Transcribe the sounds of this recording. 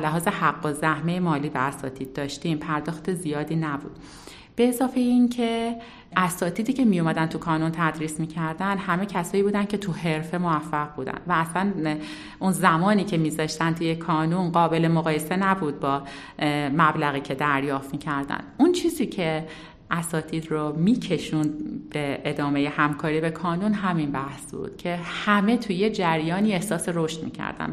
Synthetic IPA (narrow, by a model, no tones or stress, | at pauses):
læɦɒːze̞hæɡːozæhme̞jemɒːliːbeæsɒ̰ːt̪ʰiːd̪̥̚ːɒːʃt̪impʰæɾd̪ɒːxt̪e̞zijɒːd̪iːnæbṵːd̪̥ | b̥e̞ːzɒːfe̞jincʰe | æsɒːt̪ʰiːd̪iːcʰe̞mijomæd̪ænt̪ʰukʰɒːnunt̪ʰæd̪ɾiːsmiːcʰæɾd̪ænd̪hæme̞cʰæsɒːjiːbuːd̪æncʰe̞t̪ʰuɦe̞ɾfe̞movæfːæʁbuːd̪æ̰nd̪væːslæn | ʔunzæmɒːniːcʰe̞miːzɒːʃt̪ænt̪ʰujekʰɒːnunɢɒːbe̞lemoɣɒːje̞se̞næbud̪̚bɒː | mæblæɣiːcʰe̞d̪æɾjɒːft̪miːcʰæɾd̪æ̰nd̪unt͡ʃʰiːziːcʰe̞ | ʔæsɒːt̪ʰiːd̪romiːcʰe̞ʃund̪̚b̥eed̪ɒːme̞je̞hæmkʰɒːɾiːbe̞kʰɒːnunɦæminbæhsbṵːd̪̥cʰe̞hæme̞t̪ʰuje̞d͡ʒæɾjɒːniːe̞hsɒːse̞ɾoʃt̪mḭːcʰæ̰ɾd̪æ̰nd̪